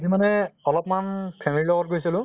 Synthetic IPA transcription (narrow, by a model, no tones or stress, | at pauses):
zimanɛɔlɔpmanpʰɛmililɔɡɔt̚ɡojsilʊ̃